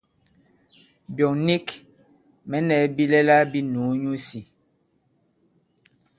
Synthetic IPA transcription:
bjɔ˨ŋni˦k | mɛ˨˦nɛ˨˦bi˦lɛ˦la˦bi˦nu˨˦ɲu˦si˨

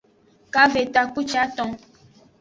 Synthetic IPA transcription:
ka˦ve˨t̪a˨ku˦t͡ʃa˦t̪ɔ̃˧

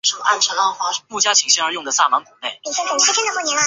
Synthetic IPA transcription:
ʈ͡ʂʰu˨˩ʔa˥nʈ͡ʂʰə˧˥nlɑ˥ŋxwa˧˥mu˥˩t͡ɕja˥t͡ɕʰi˨˥ŋɕɛ˥ə˧˥jʊ˥˩ŋd̪ə˩sa̰˥˩ma˧˥nkʰu˨˩˦ne˥˩ɪi˨˩ʂɛ˥xə˨˩nʈ͡ʂʰa˥pʰɛ˥d̪ə˧xo˥˩njɛ˧˥na˧

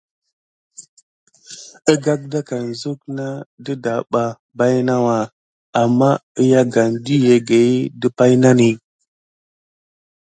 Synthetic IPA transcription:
ə˦ɡa˦k̚da˦ka˨n˨zu˦kna˦də˦da˨ɓa˨ | ba˦jna˦wa˨ | a˨mːa˦ə˦ja˦ɡa˨ndi˦je˨ɡe˨˦də˦pa˦jna˦ni˨

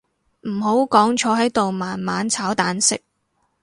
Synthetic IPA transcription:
m̩˨˩ho˨˥wkɔː˨˥ŋt͡ʃʰɔː˨˧˥ɦɐ˨˥jt̪o˨wmaː˨˩nmaː˨˧nt͡sʰaː˨˥wt̪aː˨˥nsɪ̰˨k̚

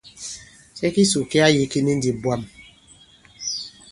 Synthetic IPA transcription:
sɛ˦ki˦su˨ki˦a˦ji˦ki˦ni˦n̩˦di˨bwa˦˨m

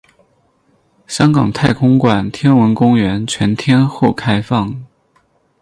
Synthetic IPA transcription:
ɕjɑ˥ŋkɑ˨˩ŋt̪ʰa˥˩ɪkʰʊ˥ŋkwa˨˩nt̪ʰjɛ˥nwə˧˥nkʊ˥ŋɥɛ˧˥nt͡ɕʰɥɛ˧˥nt̪ʰjɛ˥nxo˥˩ʊkʰa˥ɪfɑ˥˩ŋ

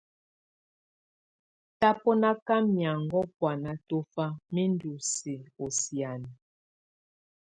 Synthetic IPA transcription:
ta˦pɔ˦na˦ka˦mja˨ŋɡɔ˦pwa˨na˨to˦fa˦mi˦ndu˨si˨o˨sja˨ni˨

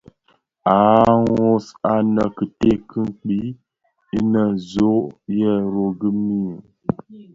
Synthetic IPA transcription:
a˨˦ŋo˦sa˦nə˨kə˨te˦kɨ˦ŋ˦k͡pi˦ | i˦nə˨zo˦ʔjɛ˦˨ɾo˨ɡə˦mi˦˨

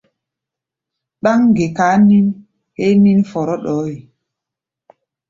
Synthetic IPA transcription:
ɗa˦ŋɡe˨kaː˨˦ni˦n | he˦ni˦nfɔ˨ɾɔ˦ɗɔ˨˦ji˨

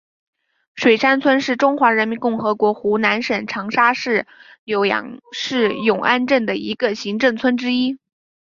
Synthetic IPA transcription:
ʂwe˨˩ɪʂa˥nt͡sʰwə˥nʂɻ̩˥˩ʈ͡ʂʊ˥ŋxwa˧˥ɻə˧˥nmi˧˥nkʊ˥˩ŋxɤ˧˥kwɔ˧˥xu˧˥na˧˥nʂə˨˩nʈ͡ʂʰɑ˧˥ŋʂa˥ʂɻ̩˥˩ | jo˧˥ʊjɑ̰˧˥ŋʂɻ̩˥˩jʊ˨˩ŋʔa˥˧nʈ͡ʂə˥˩nd̪ə˩ḭ˧˥ɡə˧ɕi˧˥ŋʈ͡ʂɤ˥˩ŋt͡sʰwə˥nʈ͡ʂɻ̩˥i˥

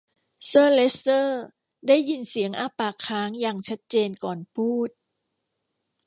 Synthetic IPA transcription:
sɤː˥˩le˦˥st̪ɤː˥˩ | daː˥˩jːi˧nsi˩˦əŋʔaː˧paː˨˩kʰaː˦˥ŋjaː˨˩ŋt͡ɕʰa˦˥t̪̚t͡ɕeː˧nkɔː˨˩npʰuː˥˩t̪̚

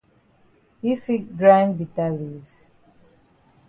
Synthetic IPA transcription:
hi˦fi˦k̚ɡɹã˦nbi˨ta˦li˨v

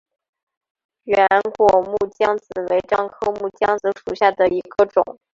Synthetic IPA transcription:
ɥɛ˧˥nkwɔ˨˩mu˥˩t͡ɕjɑ˥ŋt͡sɹ̩˨˩we˧˥ɪʈ͡ʂɑ˥˩ŋkʰɤ˥mu˥˩t͡ɕjɑ˥ŋt͡sɹ̩˧˥ʂu˨˩ɕja˥˩d̪ə˩i˧˥ɡ̥ə˧ʈ͡ʂʊ̰˨˩˦ŋ

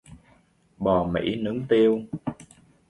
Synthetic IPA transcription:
ɓɔ˨˩mḭ˧˥˦nɨ˨˦ŋt̪i˧əw

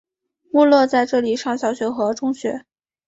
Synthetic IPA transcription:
mu˥˧lwɔ˥˧t͡sa˥˧ɪʈ͡ʂɤ˥˩li˨˩ʂɑ˥˩ŋɕjɑ˨˩ʊɕɥɛ˧˥xɤ˧˥ʈ͡ʂʊ˥ŋɕɥɛ˧˥

